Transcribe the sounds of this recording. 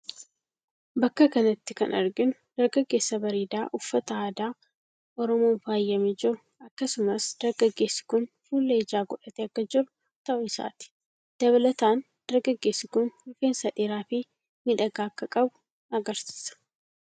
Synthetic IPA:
bɐkːɐkɐnɐt̪ːɪkɐ̰nʔɐɾɡɪnʊd̪̥ɐɾɡɐɡːe̞ːsːɐbɐɾiːd̪aːʔʊfːɐt̪ɐaːd̪aː | ʔɔɾɔmoːnfaːjːɐmɪd͡ʒɪɾʊ | ɐkːɐsʊmɐsd̪̥ɐɾɡɐɡːe̞ːsːɪ̥kʊnfuːlːed͡ʒaːɡɔᶑɐt̪eɐkːɐd͡ʒɪɾʊ | t̪ɐʔɔɪsa̰ːt̪ɪ̥ | d̪̥ɐβɐlɐt̪aːn | d̪̥ɐɾɡɐɡːe̞ːsːɪkʊnhʊfeːnsɐᶑeɾaːfɪ | mɪᶑɐɡaːkːɐkʼɐbʊ̥ | ɐɡɐɾsi̥ːsɐ̥

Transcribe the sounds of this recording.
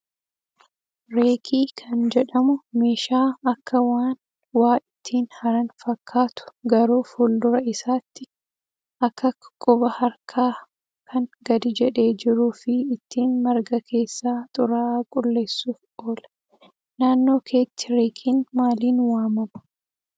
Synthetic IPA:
ɾe̞ːkʰiːkʰɐnd͡ʒɛᶑɐmʊme̞ːʃaːɐkːɐwaːn | waːʔɪt̪ʰːiːnhɐɾɐnfɐkʰːaːt̪ʊ̥ɡɐɾuːfʊld̪ʊɾɐɪsaːt̪ːɪ | ʔɐkːɐkʼʊbɐhɐɾkʰaː | kʰɐnɡɐd̪ɪd͡ʒɛᶑe̞ːd͡ʒɪɾuːfɪːt̪ʰːiːnmɐɾɡɐkʰe̞ːsːaːt̪ʼʊɾaːkʼʊlːe̞ːsːuːfo̞ːlɐ | naːnːo̞ːkʰeːt̪ːɪ̥ɾeːkʰiːnmaːliːnwaːmɐmɐ̥

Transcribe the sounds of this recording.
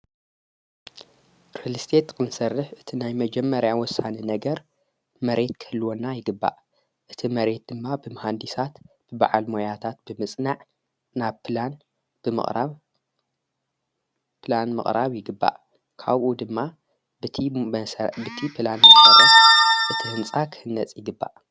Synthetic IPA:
ɾelɨst̪ʰet̪kʰɨnsɐrːɨħʔɨt̪ʰinajmɐd͡ʒɛmːɐɾjawɔsːaninɐɡɐɾ | mɐɾʔe̞t̪kʰɐ̥ɨlːuwonːajɪɡɨbːa̰ʔ | ʔɨt̪ʰimɐɾe̞t̪̚d̪̥ɨmːabɨmɐhand̪isat̪ | b̥ɨba̰ʕalmojat̪ʰat̪b̥ɨmɨsʼnaʕ | naβpʰlan | b̥ɨmɨ̰χʼɾaβ | pʰlanmɨ̰χʼɾaβjɪɡɨbːa̰ʔ | kʰaβʔud̪ɨmːa | bɨt̪ʰi | bɨt̪ʰipʰlanmɨkʼaɾɐsʼʔɨt̪ʰihɨnt͡sʼakʰɨ̥hɨnːɐt͡sʼjɪɡɨbːa̰ʔ

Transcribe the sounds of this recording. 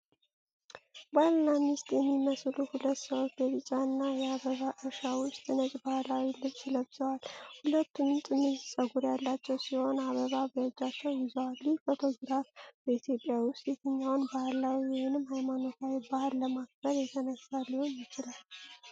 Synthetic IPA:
balːamist̪ʼjɛmːiməsluhulət̪ːsəwot͡ʃdəβɨt͡ʃʼaɨnːajɛaβəβaʔɨɾʃawʊst̪ʼɨnət͡ʃʼbahlawilɨβsiləbz̥əwalhulət̪ʰːumt̪ʼɨnɨsʼəɡuɾjalːat͡ʃːɛwsiho̞naβəβabət͡ʃʼːat͡ʃːɛwjɪzəwalːifo̞t̪ʰo̞ɡɾafbəit̪ʰjo̞pʼːjawʊst̪ʼjɛt̪ʰəɲːawʊnbahlawiwihɪnɨmhajmano̞t̪ʰawibahalːəmaɡ̚bəɾjɛt̪ʰənəsːalːihonjɪt͡ʃɪlal

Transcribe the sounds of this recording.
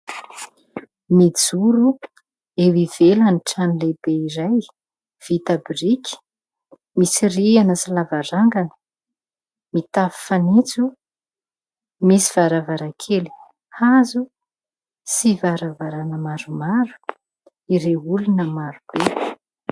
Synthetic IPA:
mid͡zuɾu | ewivelaniʈ͡ʂanilebeiɾaj | v̥it̪abirikʰʲə̥ | misirianəsalavaɾaŋɡanə̥ | mit̪afi̥fanit͡su | misiv̥aɾavaɾakʰeli̥ | azu | sivaɾavaɾanəmaɾumaɾu̥ | iɾeulunəmaɾub̥e

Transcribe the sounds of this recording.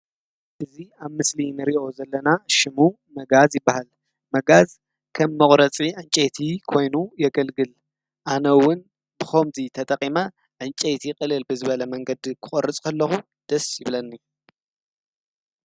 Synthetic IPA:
ʔɨziaβmɨslinɨɾiʔo̞zɐlːɐnaʃɪmu | mɐɡazjɪbːahal | mɐɡaz | kʰɐmːɐχʼɾɐt͡sʼiʔɨnt͡ʃʼejt̪ʰikʰo̞jnujɛɡɐlɡɨl | ʔanɐwʊn | bɨxomzit̪ʰɐt̪ʼɐqʼima | ʔɨnt͡ʃʼet̪ʰiqʼɨlɨlbɨzɨβɐlɐmɐŋɡɐd̪kʰɨ̥χʼɐɾɨt͡sʼkʰɐlːɐxu | d̪̥ɐsjɪβlɐnːi

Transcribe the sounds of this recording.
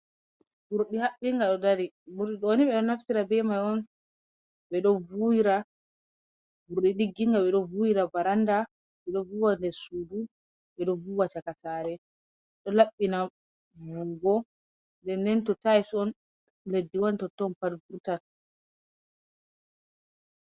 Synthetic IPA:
buɾɗihaɓːiŋɡaɗɔdaɾi | buɾɗiɗɔoniɓɛɗɔnaftiɾabɛmajɔn | ɓɛɗɔvujiɾa | buɾɗiɗiɡːiŋɡaɓɛɗɔvujiɾabaɾanda | ɓɛɗɔvuwandɛɾsudu | ɓɛɗɔvuwat͡ʃakataɾɛ | ɗɔlaɓːina | vuɡɔ | ndɛndɛntɔtajsɔn | ledːiwantɔtɔnpalbutan

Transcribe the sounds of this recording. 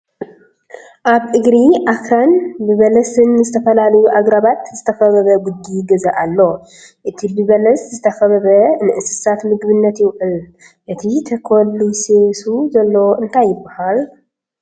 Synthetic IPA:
ʔaβʔɨɡɾiʔakɾanbɨβɐlɐsɨnːɨzɨt̪ʰɐfɐlalɐjuʔaɡɾaβat̪zɨt̪ʰɐfɐβɐβɐɡud̪ːiɡɐzaʔalːo | ʔɨt̪ʰibɨβɐlɐszɨt̪ʰɐfɐβɐβɐnɨʔɨsɨ̥sat̪mɨɡbɨnːɐt̪jɪwʔɨl | ʔɨt̪ʰit̪ʰɐkʰolːusesuzɐlːoʔɨnt̪ʰajːɪbːahal

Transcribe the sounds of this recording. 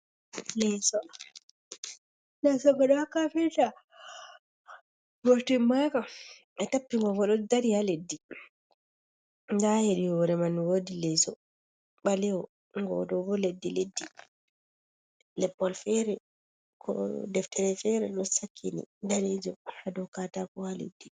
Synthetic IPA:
lɛsɔ | lɛsɔɡɔɗɔhakːafɛta | boɾtimaka | ɛtapːiŋɡɔɡɔɗɔdaɾihaledːi | ndaheɗiwɔɾɛmanwoːdilɛsɔ̰ | ɓalɛwɔ | ŋɡɔ̰dɔbɔledːiledːi | lɛpːɔlfɛɾɛ | kʰɔ̰dɛftɛɾɛfɛɾɛɗɔsakʰːinḭdaɾid͡ʒɔhadɔkatakɔhalḛdːi

